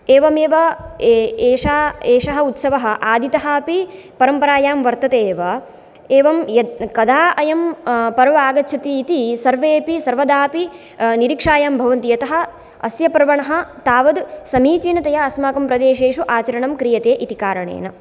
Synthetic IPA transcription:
eːʋɐmeːʋɐ | eːʂaːeːʂɐɦɐ̆ut̪sɐʋɐɦɐ̆ʔaːd̪ʱit̪ɐɦɐpipɐɾɐmpɐɾaːjaːmʋɐɾt̪ɐt̪eːʋɐ | eːʋɐmjɐkɐd̪ʱaːʔɐjɐmpɐɾʋɐaːɡɐtːt͡ʃʰɐt̪iːt̪isɐɾʋeːpisɐɾʋɐd̪aːpi | niɾikʂaːjaːmbʱɐʋɐnt̪ijɐt̪ɐɦɐ̆ | ɐ̰sjɐpɐɾʋɐɳɐɦɐ̆t̪aːʋɐd̪sɐmiːt͡ʃiːnɐt̪ɐjɐɐsmaːkɐmpɾɐd̪eːʃeːʂuʔaːt͡ʃɐɾɐɳɐmkɾijɐt̪eːʔit̪ikaːɾɐɳḛːnɐ

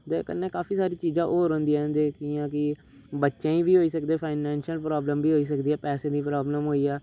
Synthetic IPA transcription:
t̪eːkə̰nːeːkaːpiːsaːɾiːt͡ʃiːzãːʔoːɾɦõːnd̪iːɛ̃d̪eːkiːãːk̬ɪ | bətːʃẽːĩːbiːɦoːiːsəkd̪eːpʰaːɪnɛ̃ːnʃiəlpɾaːbləmbiːɦoːiːs̬əkd̪iːɛːpɛːsẽːd̪iːpɾaːbləmɦoːiːɛː

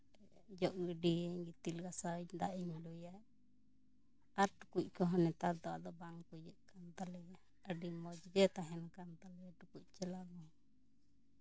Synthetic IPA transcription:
d͡ʒɔʔɡəɖiɛɲɡit̪ilɡasad̪aʔimlujaʔ | aɾʈukuc̚ˀkɔɦɔnɛt̪ad̪ɔa̰ʔd̪ɔbaŋkujəʔkant̪alɛ | əɖimɔd͡ʒɡɛt̪aɦɛnkant̪alɛʈukuc̚ˀt͡ʃɛlaɡɔ

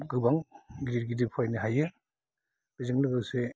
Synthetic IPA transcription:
ɡɯbaŋɡiɾiɾɡidipʰɔjnɯɦajɯ | b̥izɯŋlɯɡɯwse

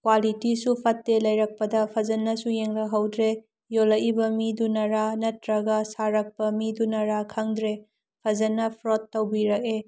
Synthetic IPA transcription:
kwalitisupʰɐtːelɐjɾɐk̚pɐdɐpʰɐzɐnːɐsujeŋlɐɦɐwdɾe | jolɐʔibɐmidunɐɾanɐtɾɐɡɐsaɾɐk̚pɐmidunɐɾakʰɐŋdɾe | pʰɐzɐnːɐpʰɾotːɐwbiɾɐk̚e

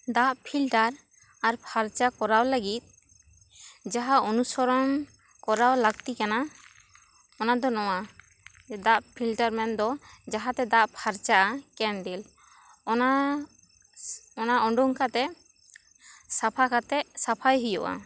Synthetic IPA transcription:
d̪aʔpʰilʈaɾ | aɾpʰaɾt͡ʃakɔɾawləɡit̪̚ | d͡ʒaɦaɔnusɔɾɔm | kɔɾawlaɡt̪ikana | ɔnad̪ɔnɔwa | d̪aʔpʰilʈaɾmɛnd̪ɔd͡ʒaɦat̪ɛd̪aʔpʰaɾt͡ʃaʔakɛnɖil | ɔna | ɔnaʔɔɳɖɔŋkat̪ɛʔ | sapʰakat̪ɛʔsapʰajɦujɔ̰ʔa̰

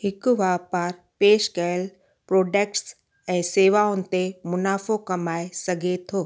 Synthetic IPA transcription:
hɪkʊʋaːpaːɾ | peːʃɡɐəl | pɾoːɖeːkʈs | ɛ̃ːseːʋaʊnɪ̆t̪emʊnaːfokɐmaːesɐɡʱet̪ʰoː

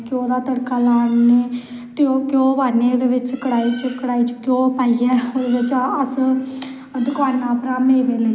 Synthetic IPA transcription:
kõːd̪aːt̪əɽkaːlaːnneː | t̪eoːkõːbaːneːd̪eʋɪt͡ʃkəɽaːiːt͡ʃəkəɽaːiːt͡ʃkjõːpaːiːɛːod̪eːʋɪt͡ʃəs | d̪ʊkaːnãːpəɾaːmeːʋeːləi

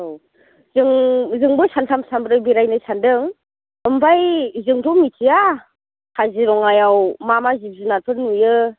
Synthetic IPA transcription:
zɯŋzɯŋbɯsantʰamsambɾɯbiɾajnɯsandɯŋ | ɯmbajzɯŋtʰɔmitʰija | kʰaziɾɔŋajawmamazib̚zɯnatʰɯɾnujɯ

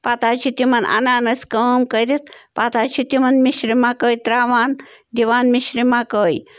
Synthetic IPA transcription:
pat̪aːt͡ʃʰit̪imɐnʔa̰naːnɐsʲkəmkəɾit̪̚pat̪aːt͡ʃʰit̪imɐnmiʃɾimaːkəːjt̪ɾaːʋaːnd̪iʋaːnmiʃɾimaːkəːj

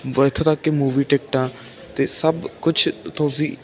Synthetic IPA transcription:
ʋət̪ʰt̪akːeːmuːʋiːʈɛːk̚ʈãː | t̪eːsəbkʊt͡ʃʰt̪õːsiː

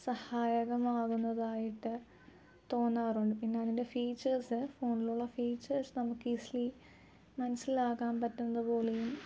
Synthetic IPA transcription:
sɐhaːjɐɣɐmaːɣunːɐðaːjiʈːɨ | t̪o̞ːnːaːruɳɖɨpinːe̞ɐðinde̞fiːt͡ɕːɐrsɨfo̞ːniluɭːɐfiːt͡ɕːɐrsnɐmukːɨisli | mɐnɐsːilaːɣaːmpɐtːunːɐðɨpo̞ːlejum

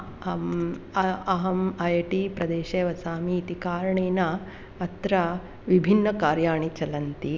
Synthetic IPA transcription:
ɐɦɐmɐjɐʈipɾɐd̪eːʃeːʋɐsaːmiːt̪ikaːɾɐɳeːna | ɐt̪ɾɐ | ʋibʱinːɐkaːɾjaːɳit͡ʃɐlɐnt̪i

